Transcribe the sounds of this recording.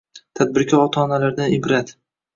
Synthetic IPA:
t̪ʰad̪̚bɪɾkʰʲɒɾɒt̪ʰaːnalaɾd̪aɪbɾat̪

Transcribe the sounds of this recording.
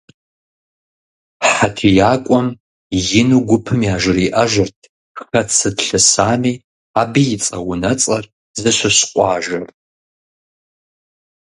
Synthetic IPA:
ħatʰijaːkʷʼɔm | jɪnuɡʷʊpʰɨmiaːʒɪriʔɐʒɨrtʰ | xɐt͡sʰːɨdɬɨsaːmiː | abijɪt͡sʼɐ̰wʊnɐt͡sʼɐr | zɨɕʷɨɕqʷʼɑːʒɐr

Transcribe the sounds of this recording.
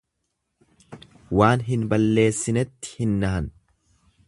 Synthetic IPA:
waːnɦɪnbɐlːe̞ːsːɪnɛt̪ːɪ̥hɪnːɐɦɐn

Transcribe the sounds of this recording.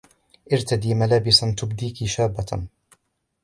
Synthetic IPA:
ʔɪɾt̪ad̪iːmalaːbɪsant̪ʊbd̪iːkɪʃaːbːa

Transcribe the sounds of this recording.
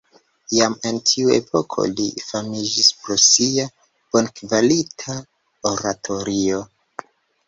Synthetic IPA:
jame̞ntʰiue̞̰pʰo̞kʰo̞̰lifamid͡ʒispɾosia | b̥onkvalitʰa | oɾatʰo̞ɾio̞

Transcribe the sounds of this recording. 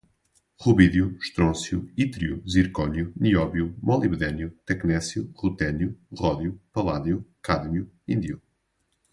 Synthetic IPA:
ʁuβiðjuʃt̪ɾõsjuit̪ɾjuziɾkɔɲjuniɔβjumɔlˠiβðɛnjut̪ɛknɛsjuʁut̪ɛnjuʁɔðjupɐlˠaðjukaðmju | ĩnd̪ju

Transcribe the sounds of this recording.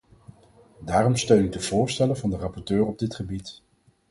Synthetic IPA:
daːrɔmstøɥnyk̚dəv̥ʊːɹstɛləvɑndərɑpɔɹtøːrɔb̚dɪtχəbit

